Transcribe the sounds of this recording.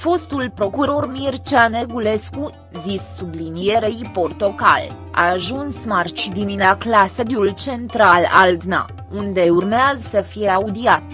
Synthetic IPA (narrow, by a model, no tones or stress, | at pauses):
fo̞st̪ulpɾo̞kuɾo̞rmirt͡ʃaneɡule̞sku | zisːublinijeɾeiport̪oka̰l | a̰ːʒunsmart͡ʃid̪imineklasəd̪jult͡ʃe̞nt̪ɾala̰ld̪na̰ | und̪e̞urmeazəsəfije̞aud̪iat̪